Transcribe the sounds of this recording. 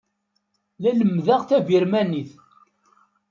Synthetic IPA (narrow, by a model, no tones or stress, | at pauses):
læləmðaʁθæviɾmæniθ